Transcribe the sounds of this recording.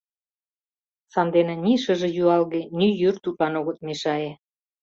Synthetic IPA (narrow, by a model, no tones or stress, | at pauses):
sɑnd̪enĕniʃə̆ʒĕjuɑlɣenyjørt̪upɑnoɣə̆t̪̚meʃɑe